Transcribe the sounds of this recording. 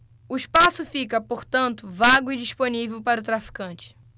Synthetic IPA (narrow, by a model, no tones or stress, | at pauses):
ʊiʃpasʊfikɐpoɾt̪ɐ̃nt̪ʊvaɡʊid͡ʒiʃponivewpaɾʊt̪ɾafi̥kɐ̃nt͡ʃɪ̥